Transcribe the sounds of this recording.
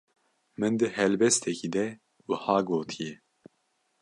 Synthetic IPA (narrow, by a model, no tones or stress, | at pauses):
mɨnd̪ɨhɛlbɛst̪ʰɛkiːd̪ɛ | wuhɑːɡoːt̪ʰijɛ